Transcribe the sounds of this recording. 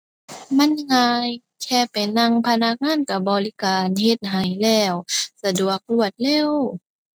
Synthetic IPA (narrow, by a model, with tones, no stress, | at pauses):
ma˧˥˨nŋaː˧j | kʰɛː˧˩pa˨˩jna˧˥ŋpʰa˧na˧˥k̚ŋaː˧˥˨nka˧˩bɔː˨li˦˧kaː˨nhe˧t̪̚ɦa˨˩jlɛː˧˩wsa˧du˨˩ək̚lu˧˩ət̪̚lɛː˧˥˩w